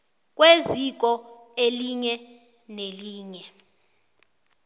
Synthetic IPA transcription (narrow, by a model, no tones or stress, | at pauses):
k̬ʼwezik̬ɔeliɲɛ | neliːɲɛ